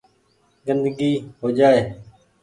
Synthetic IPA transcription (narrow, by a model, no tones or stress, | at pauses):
ɡənd̪əɡiːɦoːd͡ʒaːeː